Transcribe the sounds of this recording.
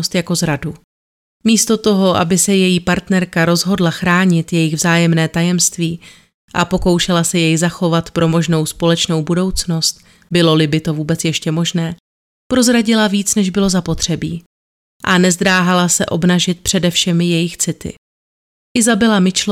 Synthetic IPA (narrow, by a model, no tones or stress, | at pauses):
st̪jako̞zɾadu | miːst̪o̞t̪o̞ɦo̞ʔa̰bɪsɛjɛjiːpaɾt̪nɛɾkaɾo̞zɦo̞dlaxɾaːɲɪt̪jɛjɪɣvzaːjɛmnɛːt̪ajɛmst̪viː | ʔapo̞ko̞wʃɛlasɛjɛjzaxo̞vat̪pɾʔo̞mo̞ʒno̞wspo̞lɛt͡ʃno̞wbudo̞wt͡sno̞st̪̚ | bɪlo̞lɪbɪt̪o̞vuːbɛt͡sjɛʃcɛmo̞ʒnɛː | pɾo̞zɾaɟɪlaviːt͡snɛʒbɪlo̞zapo̞t̪r̝̥ɛbiː | ʔanɛzd̪ɾaːɦalasɛʔo̞bnaʒɪt̪̚pr̝̥ɛdɛfʃɛmjɛjɪxt͡sɪt̪ɪ̰ | ʔɪzabɪlamɪt͡ʃl